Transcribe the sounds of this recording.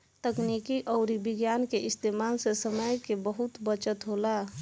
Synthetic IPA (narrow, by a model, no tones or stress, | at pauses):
t̪əknikiʔɔːɾibɪɡjaːnkeʔɪst̪eːmalsesəməjkebəɦut̪bət͡ʃət̪ɦoːla